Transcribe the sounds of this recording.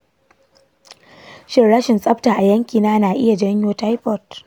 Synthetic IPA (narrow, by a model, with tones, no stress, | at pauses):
ʃɪ˦rɽɐ˦ʃɪ˨nsʼɐ˦ɸtaː˨ʔa˨jɐ˦ŋkʲiː˨naː˦naː˨ʔɪ˦ja˨d͡ʒɐ˦ɲjoː˦ta˦jɸɔ˨t